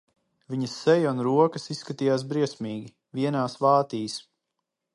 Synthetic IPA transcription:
vʲiɲɐsːɛjunɾuɔkɐsisːkat̪iːjaːs̬bɾiɛsʲmiːɡʲi | viɛnaːsvaːt̪iːs

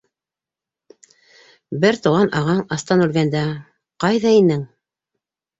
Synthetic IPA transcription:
bɘɾt̪uʁɑnʔɑʁɑɴɑst̪ɑnʉlɡænd̪æ | qɑjðɑinɘŋ

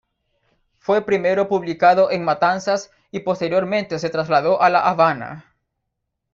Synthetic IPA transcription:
fwe̞pɾime̞ɾo̞puβlikaðoʔeŋmat̪ansas | ipo̞st̪eɾjo̞ɾmẽ̞nt̪ese̞t̪ɾazlaðo̞ʔalaʔaβana̰

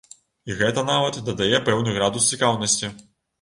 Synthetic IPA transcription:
iɣɛt̪ɐnavɐt̪d̪ɐd̪ajɛpɛwnuɣɾad̪ust͡sʲikawnɐsʲt͡sʲi

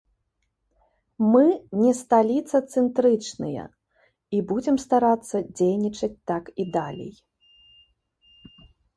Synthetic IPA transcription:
mɨnʲɛst̪alʲit̪sɐt̪sɛnt̪ɾɨt͡ʂnɨ̰jɐ̰ | ibud͡zʲɛmst̪aɾat̪sːɐd͡zʲejnʲit͡ʂɐt͡sʲt̪akid̪alʲḛj

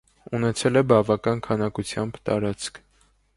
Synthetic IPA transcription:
unɛt͡sʰɛlɛbɑvɑkɑnkʰɑnɑkut͡sʰjɑmbt̪ɑ̰ɾɑt͡skʰ

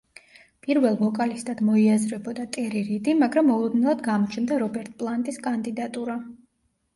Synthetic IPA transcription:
pʼiɾvɛlˠvɔkʼalist̪ʼad̪mɔiazɾɛbɔd̪at̪ʼɛɾiɾid̪imaɡɾamːɔlˠɔd̪nilˠad̪ɡamɔt͡ʃʰnd̪aɾɔbɛɾt̪ʼpʼlˠant̪ʼiskʼand̪id̪at̪ʼuɾa

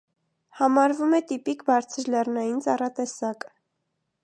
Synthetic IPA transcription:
hɑmɑɾvumɛt̪ipikbɑɾt͡sʰəɾlɛrnɑjint͡sɑrɑt̪ɛsɑk

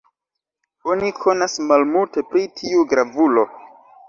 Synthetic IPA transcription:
o̞nikʰo̞nasmalmulte̞pɾitʰiuɡɾavulo̞

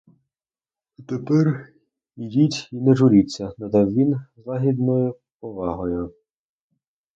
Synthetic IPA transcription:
ɐt̪epɛr | idʲitʲinɛʒʊɾʲit͡sʲːɐnɐd̪ɑwʋʲinzlˠɑɦʲid̪nɔjʊ | pɔʋɑɦɔjʊ

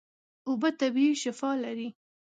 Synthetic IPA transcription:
ʊbət̪abiiʃɪfɑlaɾi

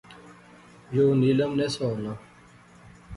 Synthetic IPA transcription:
joːnilɐmnesoːna

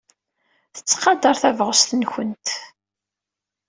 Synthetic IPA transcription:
θə̥t͡sːqɑd̪əɾˤθævʁəst̪ənçənt̪

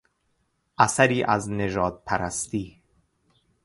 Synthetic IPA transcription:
ʔasaɾiːʔazneʒɒːd̪̚pʰæɾæst̪iː

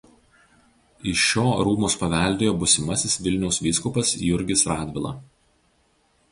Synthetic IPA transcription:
ɪʃoːɾuːmʊspɐʋʲɛˑlʲd̪ʲeːjoːbʊsʲɪmɐsʲɪsʋʲɪlʲnʲɛʊsʋʲiːskʊpɐsjʊɾʲɡʲɪsɾɑːd̪ʲʋʲɪlˠɐ̰ˑ

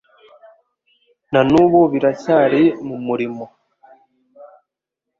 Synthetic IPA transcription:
nanuːβoβiɾacaːɾemumuɾimo

